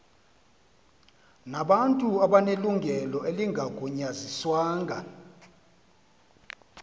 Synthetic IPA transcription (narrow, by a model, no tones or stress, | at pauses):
naɓantʼuaɓaneluŋɡʱɛlɔeliŋʱaɡ̥ʱuɲaziswaːŋɡʱa